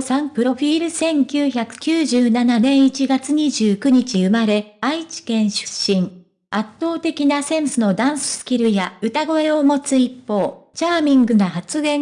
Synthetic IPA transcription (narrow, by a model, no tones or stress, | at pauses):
sãmpɯ̟ɾo̞ɸʲiːɾɯ̟sẽ̞ŋkʲɨːçakɯ̟̥kʲɨːʑɨːnananẽ̞ɰ̃it͡ɕiɡat͡sɨɲ̟iʑɨːkɯ̟ɲ̟it͡ɕiɯ̟maɾe̞ait͡ɕi̥kẽ̞ɰ̃ɕɨ̥ɕːĩŋ | at̪ːo̞ːt̪e̞kʲinasẽ̞sɨno̞d̪ãɰ̃sɨ̥sɨ̥kʲiɾɯ̟jaɯ̟t̪aɡo̞e̞o̞mo̞t͡sɨipːo̞ːt͡ɕaːmʲĩŋɡɯ̟ɡahat͡sɨɡẽ̞